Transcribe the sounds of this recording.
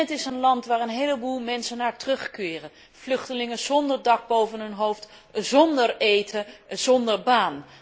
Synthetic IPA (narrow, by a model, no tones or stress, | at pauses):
ətɪsənlɑntʋaːɹənɦejləbulˠmɛnsənaːɹtrɵχkɪːrə | v̥lɵχtəlɪŋənz̥ɔndəɹdɑɡ̚bowvənɦɵnɦowft | zɔndəɹejtəz̥ɔndəɹbaːn